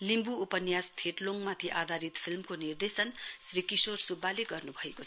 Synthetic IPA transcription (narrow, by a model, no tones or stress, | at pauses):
limbuupʌnjast̪ʰeʈloŋmat̪ʰiʔad̪ʱaɾit̪pʰilmkonird̪esʌnsrikisorsubːaleɡʌrnubʱʌeko